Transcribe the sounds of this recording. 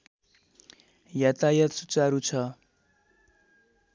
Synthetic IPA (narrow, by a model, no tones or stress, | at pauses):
jat̪ajʌt̪sut͡saɾut͡sʰʌ